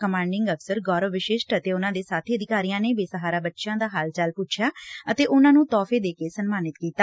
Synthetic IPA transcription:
kəmãːɳɖɪŋɡəfsəɾɡɔːɾəʋʋɪʃɪʃʈət̪eːʊnãːd̪eːsaːt̪ʰiːəd̪ɪkaːɾiːjãːneːbeːsəɦaːɾaːbətːʃjãːd̪aːɦaːlt͡ʃəlpʊt͡ʃʰjaːət̪eːʔʊnãːnũːt̪ɔːfʰeːd̪eːkeːsənmaːnɪt̪kiːt̪aː

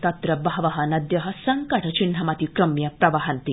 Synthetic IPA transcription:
t̪ɐt̪ɾɐbɐɦɐʋɐɦɐnɐd̪jɐɦɐsɐŋkɐʈʰɐt͡ʃinɦɐmɐt̪ikɾɐmjɐpɾɐʋɐɦɐnt̪i

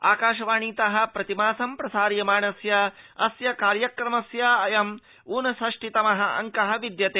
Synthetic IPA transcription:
a̰ːkaːʃɐʋaːɳiːt̪ɐɦɐ̆pɾɐt̪imaːsɐmpɾɐsaːɾjɐmaːɳɐsjɐɐsjɐkaːɾjɐkɾɐmɐsjaɐjɐm | uːnɐsɐʂʈit̪ɐmɐɦɐɐ̰ŋkɐɦɐʋid̪jɐt̪eː

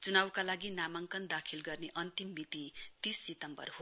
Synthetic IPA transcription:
t͡sunawkalaɡinamaŋkʌnd̪akʰilɡʌrneʔʌnt̪imːit̪it̪isːit̪ʌmbʌ̰rɦo

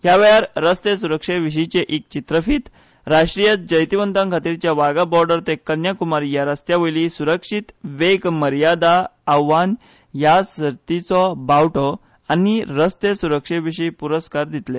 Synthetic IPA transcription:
ɦjaʋəjaɾɾəst̪esuɾəkʂeʋiɕ̬it͡ɕeʔik̚t͡ɕit̪ɾəfiːt̪ | ɾaʂʈɾijət̪̚d͡ʑəjt̪iʋənt̪d̪ãŋkʰat̪iːɾt͡ɕjaʋaɡabɔɾɖəɾt̪ekːənjakumaɾjaɾəst̪jaʋəjlisuɾəkʂit̪ʋekməɾjad̪aːʋːan | jasəɾt̪it͡sɔbawʈɔ | aniɾəst̪esuɾəkʂeʋiʂijpuɾəskaɾd̪it̪le

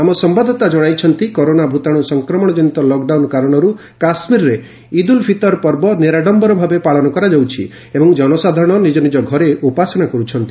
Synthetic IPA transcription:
amɔsɔmbad̪ʱɔt̪ad͡ʒɔɽ̃ajt͡ʃʰɔnt̪ikɔɾonabʱut̪aɽ̃usɔŋkɾɔmɔɽ̃ɔd͡ʒɔnit̪ɔlɔk̚ɖawnkaɾɔɽ̃ɔɾu | kasmiɾɾe | id̪ulpʰit̪ɔɾpɔɾbɔneɾaɖɔmbɔɾɔbʱabepaɭɔnɔkɔɾad͡ʒawt͡ʃʰi | ebɔŋd͡ʒɔnɔsad̪ʱaɾɔɽ̃ɔnid͡ʒɔnid͡ʒɔɡʱɔɾeʔupasɔɽ̃akɔɾut͡ʃʰɔnt̪i

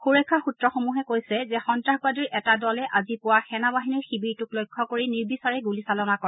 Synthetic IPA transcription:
xuɹekʰːaxutɹɔxomuɦɛkojsɛzɛxɔntɹaxbadiɹʔɛtadɔlɛʔazipʊwaxɛnabaɦiniɹxibiɹtuklojkʰːɔkoɹiniɹbisaɹɛɡulisalɔnakɔɹ

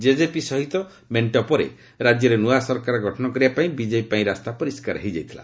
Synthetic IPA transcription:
d͡ʒed͡ʒepisɔɦit̪ɔ | meɳʈɔpɔɾḛ | ɾad͡ʒjɔɾenuasɔɾkaɾɔɡʱɔʈʰɔnɔkɔɾibapaĩbid͡ʒepaĩɾast̪apɔɾiskaɾɦejd͡ʒajt̪ʰila̰

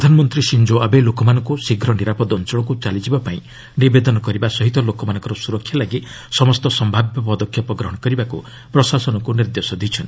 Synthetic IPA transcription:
pɾd̪ʱanɔmɔnt̪ɾisind͡ʒoabelokɔmanɔŋkusiɡʱɾɔniɾapɔd̪ɔnt͡ʃɔɭɔkut͡ʃalid͡ʒibapaĩ | nibed̪ɔnɔkɔɾibasɔɦit̪ɔlokɔmanɔ̃ŋkɔɾɔsuɾɔkʰːjalaɡi | sɔmɔst̪ɔsɔmbʱabjɔpɔd̪ɔkʰjɔpɔɡɾɔɦɔɽ̃ɔkɔɾibakṵ | pɾɔsasɔnɔkuniɾd̪esɔd̪it͡ʃʰɔn

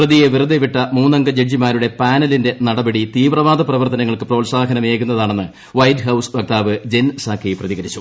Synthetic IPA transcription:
prɐðije̞ʋirɨd̪eʋiʈːɐmuːnɐŋɡɐd͡ʑed͡ʑimaːɾuɽe̞paːnɐlinde̞nɐɽɐbɐɽit̪iːʋrɐʋaːd̪ʱɐprɐʋɐrt̪ɐnɐŋːɐɭkɨpro̞ːlsaːɡɐnɐmeːkːunːɐðaːɳe̞nːɨ | ʋɐjdɦɐwsʋɐk̚t̪aːʋɨd͡ʑensaːkʰːejprɐðiɣɐɾit͡ɕːu̥

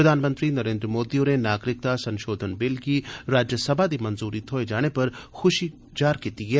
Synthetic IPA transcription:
pɾɐd̪ʱaːnmə̃nt̪ɾinɐɾẽːnd̪ɾəmoːd̪ionenaːɡɾɪk̚t̪asɐ̃nʃoːd̪ʱənbɪlkiɾaːd͡ʒjəsɐbʱad̪imɐnzuːɾit̪ʰoːed͡ʒaːɽ̃epɐɾxʊʃi | d͡ʒaːɾkiːt̪iɦɛː

